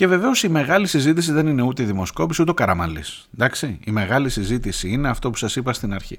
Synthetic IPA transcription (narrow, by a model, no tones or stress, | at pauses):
ce̞ve̞ve̞o̞sime̞ɣɐlisizit̪is̬iðe̞nine̞ut̪eðimo̞sko̞pisut̪̬o̞kɐɾɐmɐlḭs | nd̪ɐksiime̞ɣɐlisizit̪isiine̞ɐft̪o̞pu̥sɐsipɐst̪inɐɾçḭ